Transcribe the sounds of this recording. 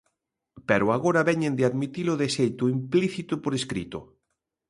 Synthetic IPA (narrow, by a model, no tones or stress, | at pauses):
pɛɾoaɣoɾaβɛɲẽnd̪eaðmit̪iloðesejt̪oimpliθit̪opoɾeskɾḭt̪o̰